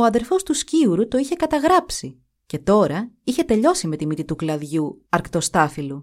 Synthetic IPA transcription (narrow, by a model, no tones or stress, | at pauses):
o̞ɐðe̞ɾfo̞st̪usciuɾut̪o̞içe̞kɐt̪ɐɣɾɐpsi | ce̞t̪o̞ɾɐiçe̞t̪e̞ʎo̞sime̞t̪imit̪it̪uklɐðʝuɐɾkt̪o̞st̪ɐfilu